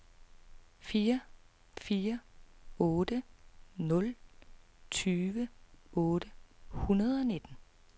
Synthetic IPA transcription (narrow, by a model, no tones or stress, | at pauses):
fiːɐ | fiːɐ | ɔ̽ːd̥ənɔ̽l | t͡sʰyːʋəɔ̽ːd̥əhunɐð̞ˠɒ̽ne̝d̥n̩